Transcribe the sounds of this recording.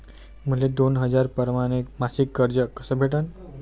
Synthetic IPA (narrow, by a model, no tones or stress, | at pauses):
m̤əled̪onɦəd͡zaɾpəɾmaɽ̃ekmasikːəɾd͡ʑəkəsəbʱeʈən